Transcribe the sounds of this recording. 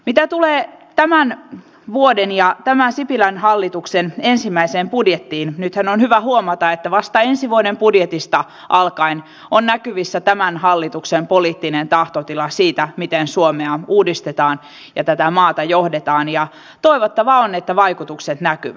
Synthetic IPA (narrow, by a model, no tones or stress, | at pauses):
mit̪æt̪uleːt̪æmæn | ʋuodenjɑt̪æmænsipilænhɑlːit̪uksenensimːæiseːmpudjet̪ːiːnnyt̪hænonhyʋæhuomɑt̪ɑet̪ːæʋɑst̪ɑensiʋuodempudjet̪ist̪ɑ | ʔɑlkɑin | onnækyʋisːæt̪æmænhɑlːit̪uksempoliːt̪ːinent̪ɑht̪ot̪ilɑsiːt̪æmit̪ensuomeɑuːdist̪et̪ɑːn | jɑt̪æt̪æmɑːt̪ɑjohdet̪ɑːnjɑ | t̪oiʋot̪ːɑʋɑonet̪ːæʋɑijkut̪ukset̪nækyʋæ